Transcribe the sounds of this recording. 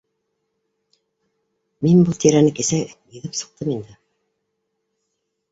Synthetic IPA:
minbulˠt̪ʰiɾænɘkisæjĭðɘpsɤ̆q̚t̪ʰɤmind̪ɘ

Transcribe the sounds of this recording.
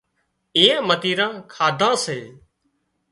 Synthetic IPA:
ẽːmət̪iːɾãːkʰaːd̪ʱãːseː

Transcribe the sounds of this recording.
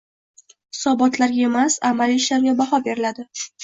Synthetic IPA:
hɪ̥sɒbɒt̪ʰlaɾɡʲae̞masamaliɪʃlaɾɡʲabahɒbe̞ɾɪlad̪ɪ

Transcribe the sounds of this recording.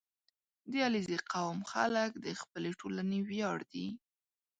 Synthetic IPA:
d̪jɑlizeqawmxa̰ləkd̪əxpəleʈʰolanewjɑɽd̪i

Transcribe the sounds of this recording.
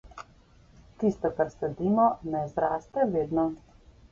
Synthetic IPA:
t̪ist̪ɔkaɾsɛd̪iːmɔnɛzɾaːst̪ɛʋeːd̪nɔ

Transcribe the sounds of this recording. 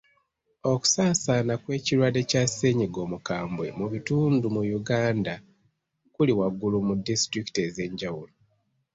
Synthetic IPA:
o̞ku̥saːsaːnakwe̞ːciɾwade̞case̞ːɲiɡo̞ːmukaːmbwe̞muβituːndumujuɡaːnda | kuliwaɡulumudistɾiki̥te̞ze̞ːɲɟawulo

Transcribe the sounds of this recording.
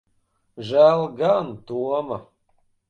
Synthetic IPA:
ʒaːlɡant̪uwama

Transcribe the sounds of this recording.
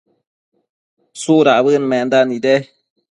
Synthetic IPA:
suɾaʔbɨnmɛn̩danidɛ

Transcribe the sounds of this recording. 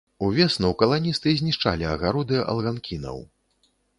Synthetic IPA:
uvʲɛsnɐwkɐlˠanʲist̪ɨzʲnʲiʂt͡ʂa̰lʲiɐɣaɾud̪ɨʔɐ̰lˠɣankʲʰinɐ̰w

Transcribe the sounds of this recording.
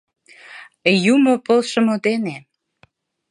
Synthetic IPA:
jumopəlʃə̆mŏd̪ene

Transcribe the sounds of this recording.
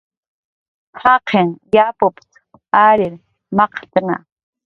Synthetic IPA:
haqʰeŋjapopt͡s | aɾɪɾ | mɑqt̪na̰

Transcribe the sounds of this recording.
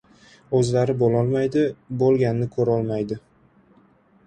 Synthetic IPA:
ɵzlaɾɪbolɒlˠmajd̪ɪbolˠɡʲanːɪkʰɵɾaɒlˠmajd̪ɪ

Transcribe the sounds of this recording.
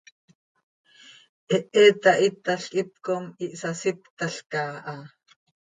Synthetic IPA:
ʔɛʔɛt̪aʔit̪aɬkʼip̚komiʔsasipt̪aɬkaːʔɑ

